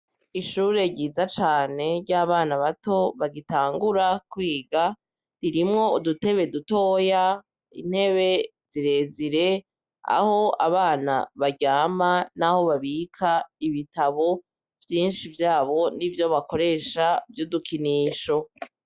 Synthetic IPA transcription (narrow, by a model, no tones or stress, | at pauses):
iʃuːɾe̞ɟiːzat͡ʃaːne̞ɾɟaβaːnaβato̞βaɡitaːŋɡuɾakwiːɡa | ɾiɾimŋo̞udute̞βeduto̞ːja | ḭn̥he̞βe̞z̥iɾe̞ziɾe̞ | a̰ho̞a̰βaːna̰βaɟaːmanaho̞βaβiːkʰaiβitaβo̞ | vjiːnʃivjaːβo̞nivjo̞βako̞ɾe̞ːʃavjudukiniːʃo̞